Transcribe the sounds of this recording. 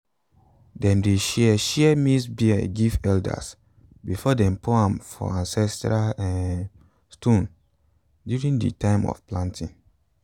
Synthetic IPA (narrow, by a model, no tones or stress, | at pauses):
dɛ̃mdeʃɛɛʃɛɛmisbiɛɡivɛlda̰s | bifɔdɛ̃mpoãmfɔ̰ãnsɛstɹaɛn | stõn | djuɹĩŋdḭtãɪ̃mɔ̰fplãntʰḭ̃ŋ